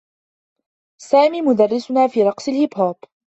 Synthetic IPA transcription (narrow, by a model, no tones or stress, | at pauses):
saːmiːmʊd̪ɑrːɪsʊnaːfiːɾˤɑqsˤɪlhɪbhaːb